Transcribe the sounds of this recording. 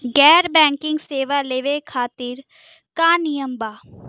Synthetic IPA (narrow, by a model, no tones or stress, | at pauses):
ɡɛːɾbɛ̃ːŋkɪ̃ŋɡseːʋaleːʋekʰaːt̪ɪɾ | kaːnijəmbaː